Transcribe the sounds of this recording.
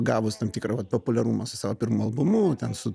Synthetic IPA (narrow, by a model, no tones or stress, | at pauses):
ɡɑːʋʊst̪ɐmt̪ʲiːkrɐʋɐt̪popʊlʲɛɾuːmɐsʊ̥sɑːʋoːpʲɪrmuːɐlˠbʊmʊt̪ʲɛnsʊ